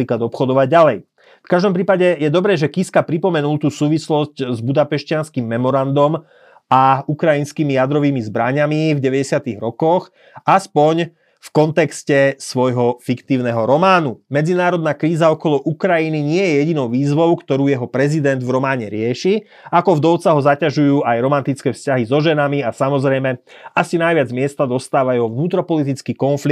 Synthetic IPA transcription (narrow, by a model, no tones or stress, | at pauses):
iːklad̪ɔpxɔd̪ɔʋaɟ̚ɟalɛj | fkaʒd̪ɔmpɾiːpaɟɛjɛd̪ɔbɾɛːʒɛkiskapɾipɔmɛnulˠt̪uːsuːʋislɔsczbud̪apɛʃcɪanskimːɛmɔɾand̪ɔm | aukɾajinskimijad̪ɾɔʋiːmizbɾaɲamivɟɛʋɛɟɛsɪat̪iɣɾɔkɔx | aspɔɲ | fkɔnt̪ɛkscɛsʋɔjɦɔfikt̪iːʊnɛɦɔɾɔmaːnumɛd͡zinaːɾɔd̪̚naːkɾiːzaɔkɔlɔʔukɾajiniɲɪɛjɛjɛɟinɔʊʋiːzʋɔʊkt̪ɔɾuːjɛɦɔpɾɛzid̪ɛnd̪vɾɔmaːɲɛɾɪɛʃi | akɔvd̪ɔʊt͡saɦɔzacaʒujuːʔajɾɔmant̪it͡skɛːfscaɦizɔʒɛnamiasamɔzɾɛjmɛasinajʋɪad͡zmɪɛst̪ad̪ɔst̪aːʋajɛɦɔvnuːt̪ɾɔpɔlit̪̬it͡skiːkɔnfli